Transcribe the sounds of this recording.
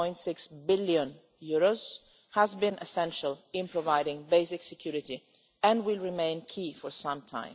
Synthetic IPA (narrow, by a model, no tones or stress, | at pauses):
ɔ̃ɪj̃ntsɪksbɪljə̃n | juɹoz | hæzbĩnʔɛsɛ̃nʃalɪ̃npɹɔvaɪɾɪ̃ŋbeɪsɪksɛkʰjuɾɪti | ɛ̃ndwɪlˠɹimẽɪ̃nkʰifɔɹsãmtʰã̰ɪ̃